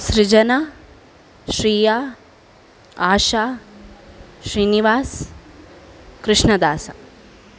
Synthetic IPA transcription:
sɾid͡ʒɐna | ʃɾiːjaː | aːʃaː | ʃɾiːniʋaːs | kɾɪʂɳɐd̪aːsɐ̰

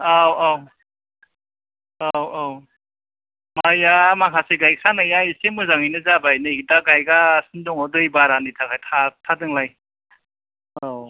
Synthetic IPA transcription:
awaw | awaw | majamaŋʰaseɡajsʰanajajsemɯzaŋijnɯzabajnɯik̚daɡajɡasɯndɔŋɔdɯjbaɾanitʰakajtʰatʰadɯŋlaj | aw

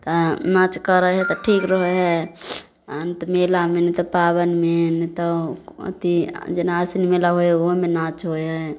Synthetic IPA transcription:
t̪ɔnat͡ʃkəɾəɦɛt̪ɔʈʰikɾəɦəɦɛ | ənt̪melamenit̪ɔpabənmenit̪ɔ̰t̪id͡ʒenaasnimelaɦooɦmenat͡ʃɦoɦɛ

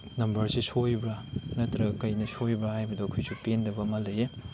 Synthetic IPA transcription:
nɐmbɐɾsisʰojbɾɐnɐtɾɐɡɐkɐjnɐsojbɐhajbɐdɔkʰojsupendɐbɐmɐlɐje

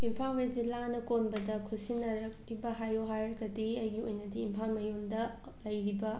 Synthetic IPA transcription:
impʰaŋed͡ʒilanɐkonbɐdɐkʰusinːɐɾɐk̚ɾibɐɦajoɦaɾɡɐdiɐjɡiojnɐdiːmpʰaŋmɐjondɐ | lɐjɾibɐ

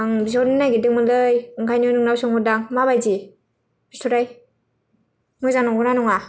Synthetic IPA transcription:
aŋbizɔnɯnajɡidɯŋmɯlɯjɯŋkʰajnionɯŋnawsɯŋhɔdaŋmaβajzi | bistʰuɾaj | mujzaŋnaŋɡɔnanɔŋa

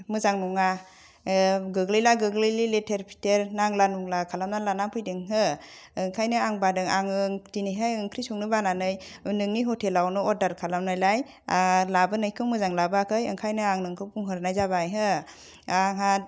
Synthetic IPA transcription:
mɯzaŋnuŋa | ɡɯɡlɯjlaɡɯɡlɯjliletʰeɾpʰi̥teɾnaŋlanuŋlakʰalamnalanampʰɯjdɯŋɦɯː | ŋkʰajnɯaŋbadɯŋaŋɯŋdinɯjɦajɯŋkʰɾisuŋnɯbananɯjnɯŋniɦɔtʰelawnɯɔɾdaɾkʰalamnajlaj | alabɯnɯjkʰɯmɯzaŋlabɯakʰɯjɯ̰ŋkʰajnɯaŋnɯŋkʰɯpuŋɦɯɾnajzaβajɦɯ | aŋa

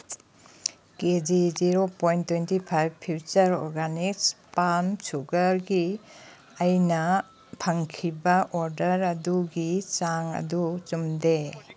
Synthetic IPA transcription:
ked͡ʒid͡ʒiɾopɔjntːwejntipʰajbpʰːit͡ʃɐɾɔ̰ɾɡanikspamsuɡɐɾɡi | ajnɐ | pʰɐŋkʰibaʔɔɾdɐɾɐduɡit͡ʃaŋɐ̰dut͡ʃumde

